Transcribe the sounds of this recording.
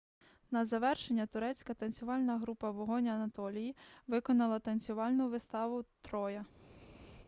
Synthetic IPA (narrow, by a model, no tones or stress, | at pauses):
nɐzɐʋɛrʃenʲːɐt̪ʊɾɛt͡sʲkɐt̪ɐnʲt͡sʲsʲʊʋɑlʲnɐɦɾupɐʋɔɦɔnʲɐɐnɐt̪ɔlʲijiʋɪkɔnɐlˠɐt̪ɐnʲt͡sʲʊʋɑlʲnʊʋɪst̪ɑʋʊt̪ɾɔjɐ